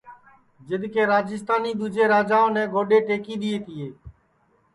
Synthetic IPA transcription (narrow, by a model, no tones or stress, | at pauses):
d͡ʒɪd̪ʱkeːɾaːd͡ʒɪst̪aːniːd̪uːd͡ʒeːɾaːd͡ʒaːõːnɛ̃ːɡoːɖeːʈeːkiːɗ̪ɪeːt̪ɪeː